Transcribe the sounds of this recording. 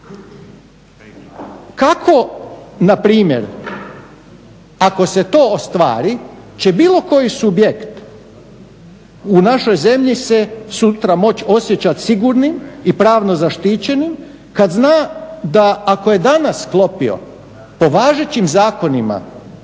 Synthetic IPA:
kakʰo̞napɾiːmje̞̰ɾ | ako̞se̞t̪o̞ːost̪ʋa̰ːɾi | t͡ɕebiːlˠo̞ko̞jisubjekt̪ | unaʃo̞jze̞mʎisesut̪ɾamo̞t͡ɕo̞sjet͡ɕat̪siɡuɾnimipɾaːʋno̞zaʃt̪iːt͡ɕe̞nim | kad̪znaːd̪aːkoje̞d̪anasklˠo̞pio̞̰ | po̞ʋaːʒe̞t͡ɕimzaːko̞nima̰

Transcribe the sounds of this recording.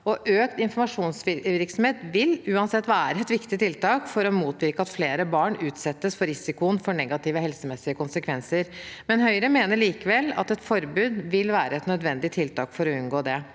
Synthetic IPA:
ɔʔøːkt̪ɪnfɔɾmɑʂuːnsɪʋɪɾksɔmheːt̪ʋɪlʉːɑnsɛt̪ːʋæːæɾəɛt̪ʋɪkt̪ɪt̪ɪlt̪ɑːkfɔɾɔmuːt̪ʋɪɾkəɑt̪fleːɾəbɑːɳʉːt̪sɛt̪ːəsfɔɾɪsɪkʊənfɔɳɛɡɑt̪ɪʋəɦɛlsəmɛsːɪəkʊnsəkʰʋɛnsəɾmɛnɦœʏɾəmeːnəɭiːkəʋɛlːɑ̰t̪ɛt̪fɔɾbʉːd̪ʋɪlʋæːɾəɛt̪nœd̪ʋɛnd̪ɪt̪ʰɪlt̪ɑːkfɔɾɔʉnɡoːd̪ɛ

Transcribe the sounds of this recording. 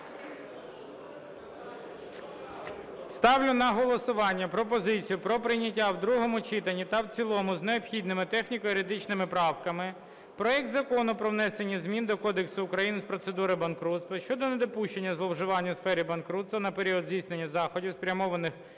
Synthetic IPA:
st̪ɑwlʲʊnɐɦɔlˠɔsʊʋɑnʲːɐpɾɔpɔzɪt͡sʲijʊpɾɔpɾɪjnʲɐtʲːawd̪ɾuɦɔmʊt͡ʃit̪ɐnʲːit̪ɐwt͡sʲilˠɔmʊzneɔpxʲid̪nɪmɪt̪ɛxnʲikɔjiɾɪd̪ɪt͡ʃnɪmɪpɾɑwkɐmɪ | pɾɔɛk̚t̪zɐkɔnʊpɾɔʋnɛsenʲːizmʲind̪ɔkɔd̪eksʊːkɾɐjinɪspɾɔt̪se̞d̪uɾɪbɐnkɾut̪st̪ʋɐʃt͡ʃɔd̪ɔned̪ɔpuʃt͡ʃe̞nʲːɐzlˠɔwʒɪʋɑnʲːɐsfɛɾʲibɐnkɾut̪st̪ʋɐnɐpeɾʲiɔd̪zʲijsne̞nʲːɐzɑxɔdʲiwspɾʲɐmɔʋɐnɪx

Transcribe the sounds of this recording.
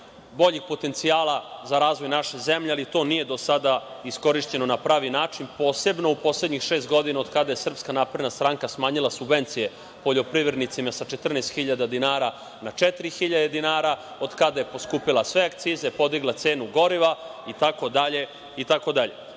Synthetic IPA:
bo̞ʎixpo̞t̪e̞nt̪siaːlˠazaɾaːzʋo̞jnaʃezemʎealit̪o̞ːnije̞d̪o̞sad̪aisko̞ɾiʃt͡ɕe̞no̞napɾaːʋinaːt͡ʂinpo̞ːse̞bno̞upo̞sled̪ɲixʃe̞ːst̪ɡo̞d̪inao̞d̪kad̪aje̞sr̩pskanaːpɾed̪nast̪ɾaːŋkasmaːɲilˠasubʋe̞nt̪sije | po̞ʎo̞pɾiʋɾed̪nit̪simasat͡ʃet̪r̩nest̪xiʎad̪ad̪inaːɾa | nat͡ʃɛt̪iɾixiʎad̪e̞d̪inaːɾa | od̪kad̪aje̞po̞skuːpilasʋeakt̪siːzepo̞d̪iɡlˠat̪se̞ːnuɡo̞ɾiʋait̪ako̞d̪aʎe̞ | it̪ako̞d̪aʎe̞

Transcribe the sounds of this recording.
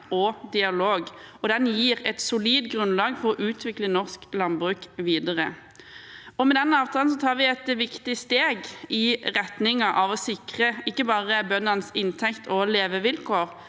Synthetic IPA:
ɔd̪ɪɑloːɡɔd̪ɛnjiːʁɛt̪sʊliːd̪ɡʁʉnlɑːɡfɔɾɔʔʉːt̪ʰʋɪklənɔʁsklɑnbʁʉːkʋiːd̪əʁə | ɔmɛd̪ɛnːəɑːʋt̪ʰɑːln̩s̬ɔt̪ʰɑːɾʋɪɛt̪ʋɪkt̪ɪst̪eːɡɪʁɛt̪nɪŋɑʔɑʋɔsɪkʁəɪkːəbɑːʁəbœnːɑnəsɪnt̪ʰɛkt̪ʰɔleːʋəʋɪlkʰoːʁ

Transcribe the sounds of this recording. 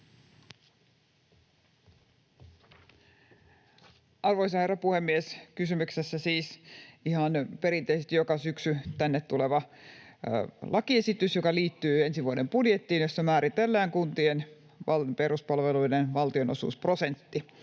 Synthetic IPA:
ɑrʋoisɑherɑpuhemːieskysymyksesːæsiːsihɑnpe̞ɾineisest̪ijokɑsyksyt̪ænːet̪t̪ːule̞ʋɑ | lʔɑkie̞sit̪ysjokɑliːt̪ːyːe̞nsiʋuodempudjet̪ːiːnjosːɑmæːɾit̪elːæːŋkunt̪ien | ʋɑpeɾuspɑlʋeluidenʋɑlt̪io̞no̞sṵːspro̞se̞nt̪ːi

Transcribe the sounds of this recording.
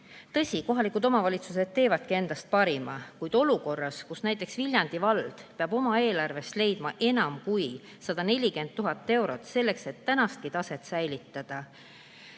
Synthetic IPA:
t̪ɤ̞sʲiko̞ɦɑlikˑud̪o̞mɑvɑlʲit̪suse̞d̪̥̚t̪e̞ːvɑd̪̥̚kie̞nd̪̥ɑst̪̚pɑɾimɑkujd̪̥o̞luko̞rːɑskusnæjt̪ːˑe̞ksvilʲjɑnd̪̥ivɑld̪̥peɑbo̞mɑe̞ːlɑrve̞st̪le̞jd̪̥mɑʔe̞nɑmkuj | sɑd̪̥ɑne̞lʲike̞nt̪̚t̪ːuɦɑt̪ˑːe̞wɾo̞t̪ˑse̞lːe̞kset̪ːænɑst̪̚kit̪ɑse̞t̪sæjlit̪ːˑɑd̪̥ɑ

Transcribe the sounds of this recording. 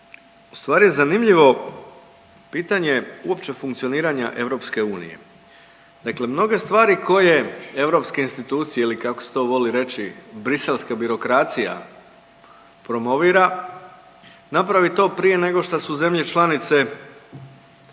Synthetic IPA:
u̥st̪ʋaːɾije̞zanimʎiʋo̞ | piːt̪aɲe̞uo̞pt͡ɕe̞fuŋkt̪sio̞niːɾaɲa̰ʔe̞ʋɾo̞pske̞uːnḭje̞̰ | d̪̥akle̞mno̞ɡe̞st̪ʋaːɾikʰo̞je̞e̞ʋɾo̞pske̞inst̪it̪uːt̪sijeilikako̥se̥t̪o̞ːʋo̞liɾe̞t͡ʃibɾise̞lskabiɾo̞kɾat̪sija̰ | pɾo̞mo̞ʋiːɾa | napɾaʋit̪o̞ːpɾije̞ne̞ɡo̞ʃt̪asuze̞mʎe̞t͡ʃlˠanit̪se̞

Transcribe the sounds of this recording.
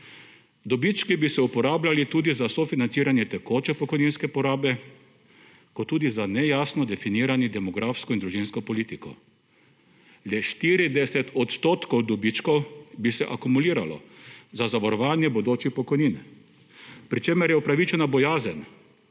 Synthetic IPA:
d̪ɔbit͡ʃkibisɛupɔɾaːblalit̪uːd̪izasɔfinant̪iːɾanjɛt̪ɛkoːt͡ʃɛpɔkɔjninskɛpɔɾaːbɛ | kɔt̪ːuːd̪izanɛjaːsnɔd̪ɛfiniːɾanid̪ɛmɔɡɾʔaːfskɔind̪ɾuʒinskɔpɔliːt̪ikɔ̰ | lɛʃt̪iːɾid̪ɛsɛt̪ɔt̪st̪oːt̪kɔwd̪ɔbit͡ʃkɔwbisɛʔakumuliːɾalɔ̰zazaʋɔɾɔʋaːnjɛbɔd̪oːt͡ʃixpɔkɔjnin | pɾit͡ʃemɛɾjɛupɾaʋit͡ʃɛnabɔjaːzən

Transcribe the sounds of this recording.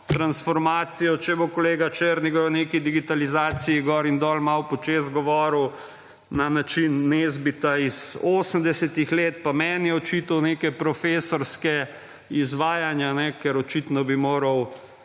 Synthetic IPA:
t̪ɾansfɔɾmaːt̪sijɔt͡ʃɛbokoleːɡat͡ʃeɾniɡɔɾnekid̪iɡit̪alizaːt̪sijiɡɔːɾind̪ɔːlmawpɔt͡ʃeːzɡɔʋɔːɾəw | nanat͡ʃinːezbit̪aizoːsəmd̪ɛsɛt̪ixleːt̪pamɛːnjɛɔt͡ʃit̪ɐwneːkɛpɾɔfeːsɔɾskɛ | izʋaːjanjanɛkɛɾɔt͡ʃit̪nɔbimoːɾɐw

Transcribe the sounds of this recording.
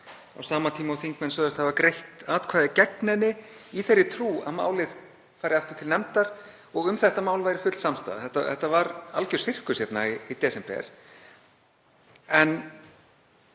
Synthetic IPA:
a̰wsaːmat̪ʰiːmaawθiŋkmɛnsœːðʏst̪havakɾejht̪aːt̪kʰvaːðɪcɛknɛnːɪiθɛrːɪt̪ʰɾuːa̰ðma̰ːwlɪð | faːjɾɪaft̪ʏ̥ɾt̪ʰɪlnɛmt̪aɾ̥ | ɔɣʏmθɛht̪amaːwlvajɾɪfʏt̪lsamst̪a̰ða̰θɛht̪ːaθɛht̪ːavaɾalcʏɾ̥sɪr̥kʏsjɛt̪na̰iit̪ɛːsɛmpɛ̰ɾ̥ | ɛn

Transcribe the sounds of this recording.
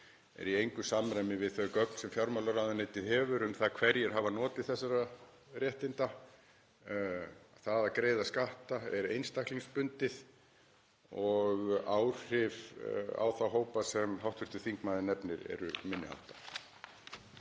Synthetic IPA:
ɛ̰ɾiejŋkʏsamɾajmɪvɪðθœkœkn̥sɛmfjawɾmawlaɾaðaneːjt̪ɪðɦɛːvʏɾʏmθakʰv̥ɛɾjɛɾ̥ɦavanɔːt̪ɪðθɛsːaɾa | rjɛht̪ɪnt̪a | θaðakɾeːjðaskaht̪aɛɾḛjnst̪ahkliŋspʏnt̪ɪð | ɔɣaw̥r̥ɪva̰wθawɦoːwpasɛmɦawht̪fʏ̥t̪ʏ̥θiŋkmaːðɪnɛpnɪɾɛ̰ɾʏ̰mɪnːɪ̰ha̰wt̪ḁ

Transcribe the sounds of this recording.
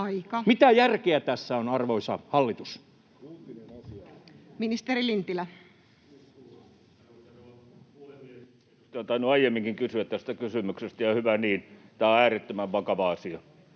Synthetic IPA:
ɑikɑmit̪æjærkeæt̪æsːæonɑrʋoisɑhɑlːit̪us | uːt̪inenɑiɑminist̪eɾilint̪ilæ | nlemie | st̪oˑnt̪ɑinuɑijemːiŋkiŋkysyæt̪t̪æst̪ækysymyksest̪æjɑhyʋæniːnt̪ææːret̪ːømæʋʋɑkɑʋɑɑsiɑ

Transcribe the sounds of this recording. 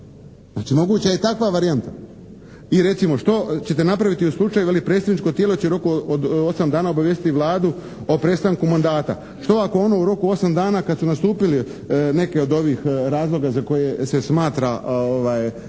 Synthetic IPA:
znat͡ʃimo̞ɡuːt͡ɕajet̪akʋaʋaɾiant̪a | iɾe̞t̪simo̞ʃt̪o̞t͡ɕe̞t̪e̞napɾaʋit̪iuslˠut͡ʃajujelipɾet̪seʋnit͡ʃko̞t̪jeːlˠo̞t͡ɕeuɾo̞kuod̪osamd̪aːnao̞baʋje̞st̪it̪iʋlˠaːd̪u | opɾe̞st̪aŋkumand̪aːt̪a̰ | ʃt̪o̞ako̞o̞no̞uɾo̞kuo̞samd̪aːnakad̪sunast̪uːpili | ne̞ke̞o̞d̪o̞ʋiːxɾaːzlˠo̞ɡazako̞jesesmaːt̪ɾaoʋaj

